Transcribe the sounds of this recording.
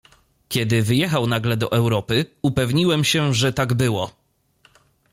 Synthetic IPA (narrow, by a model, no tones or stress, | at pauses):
kʲɛd̪ɘvɘjɛxawnaɡlɛd̪ɔʔɛwɾɔpɘupɛvɲiwɛmɕɛʐɛt̪aɡbɘwɔ